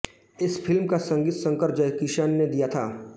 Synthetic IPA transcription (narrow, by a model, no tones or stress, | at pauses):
ɪsfʰɪlmkasɐ̃ŋɡiːt̪sə̃ŋkəɾd͡ʒɐjkiʃaːnːed̪ijat̪ʰaː